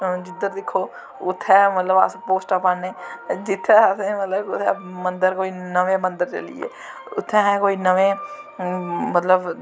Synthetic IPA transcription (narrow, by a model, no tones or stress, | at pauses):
d͡ʒɪd̪əɾd̪ɪkʰːoː | ʊt̪ʰːɛːmət̪ləba̰spoːsʈapaneːd͡ʒɪt̪ʰːɛasẽmət̪ləbʊt̪ʰːɛ̰mə̃nd̪əɾkoːinəʋẽːmə̃nd̪əɾt͡ʃə̰lḭḛː | ʊt̪ʰːɛɦɛ̃koːinəʋẽː | mət̪ləb